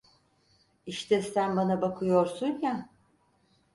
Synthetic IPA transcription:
iʃt̪ʰɛsænbanabakʰɯjo̞ɾsunja

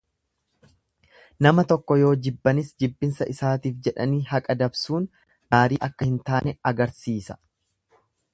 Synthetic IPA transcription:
nɐmɐt̪ɔkːɔjo̞ːd͡ʒɪbːɐnɪsd͡ʒɪbːɪnsɐʔɪsaːt̪iːfd͡ʒɛᶑɐniːhɐkʼɐd̪ɐbsuːn | ɡaːɾiːʔɐkːɐhɪnt̪aːnɛɐɡɐɾsiːsɐ̥

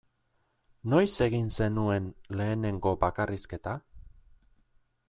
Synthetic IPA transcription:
no̞jse̞ɣinse̞nue̞nle̞ːne̞ŋɡo̞bakariske̞t̪a

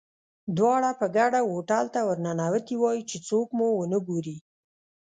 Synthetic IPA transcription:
d̪wɑɽapəɡaɽawoʈalt̪awəɾnanawat̪iwɑjit͡ʃet͡sokmuwənəɡoɾi

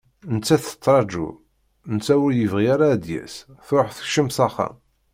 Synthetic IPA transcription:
ənət͡sːæθə̥t͡s̪ˤːɾˤɑd͡ʒṵ | nt͡sːæwʊɾjəvʁijaɾad̪jæ̰sθʊħθə̥çʃəmsɑχɑ̰

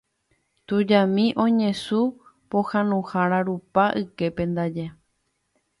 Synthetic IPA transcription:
t̪ud͡ʒamĩʔõ̞ɲẽ̞su | pohãnũhaɾaɾupaʔɨke̞pẽ̞nd̪ad͡ʒe

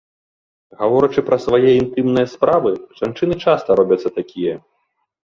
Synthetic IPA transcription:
ɣavɔɾɐt͡ʂɨpɾɐsvajɛint̪ɨmnɨjɐspɾavɨʐ̥ant͡ʂɨnɨt͡ʂast̪ɐɾɔbʲɐt̪sːɐt̪akʲijɐ

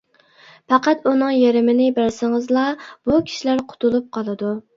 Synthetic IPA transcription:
pæqæt̪unɨŋjeɾɪmɪnɪbɪɾsɪŋɨzlˠɑb̥ukʲʰi̥ʃilæɾqʰʊ̥t̪ʰulˠup̚qʰɑlˠɨd̪u

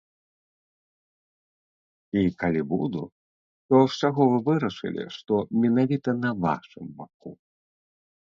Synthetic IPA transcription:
ikalʲibud̪u | t̪ɔwsʲaɣɔvɨvɨɾɐʂɨ̰lʲḭʂt̪ɔmʲɛnavʲit̪ɐnɐva̰ʂɨmbaku

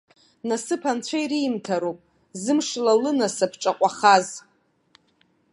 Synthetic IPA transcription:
nasɨpʰant͡ɕʷʰaiɾimtʰaɾopʼ | zɨmʂlalɨnasapʰʈ͡ʂʼaqʷʼaχaz

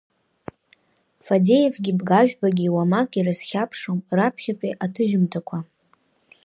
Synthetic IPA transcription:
fadejevɡʲibɡaʒᶣbaɡʲiːwamakʼirɨsχʲapʰʂomrapʰχʲapʼiʔatʰɨʒɪmtʰakʷʰa

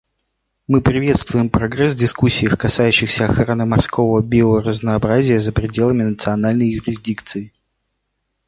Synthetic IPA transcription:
mɨpɾʲɪvʲe̞t̪st̪vʊjɪmpɾɐɡɾɛsvdʲɪskusʲːɪjəxkɐsajʉɕːɪxsʲəɐxɾanɨmɐrskʰo̞vəbʲɪorəznəːbɾazʲɪjəzəpɾʲɪdʲe̞lˠəmʲɪnət̪sɨɐnalʲnəjjʊɾʲɪzʲdʲikt̪sɨɪ

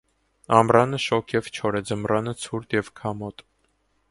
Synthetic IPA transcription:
ɑmrɑnəʃɔkʰjɛvt͡ʃʰɔɾɛd͡zəmrɑnət͡sʰuɾt̪jɛvkʰɑmɔt̪

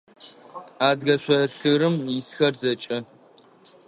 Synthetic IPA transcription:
aːdɣɐɕʷɐɬɨɾɨmjɪsxɐrzɐt͡ʃʼɐ

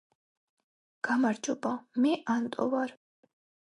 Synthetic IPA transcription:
ɡ̥amaɾd͡ʒɔbamɛʔant̪ʼɔ̰vaɾ

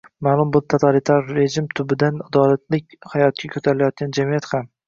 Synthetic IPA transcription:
maːlˠʊmbʊt̪ʰat̪ʰalit̪ʰaɾːe̞ʒɪmt̪ʰʊbɪd̪anad̪ɒlat̪ʰlɪkʲhajɒt̪̚kʲakʰɵt̪ʰaɾɪlajɒt̪̚ɡʲand͡ʒamijat̪ham

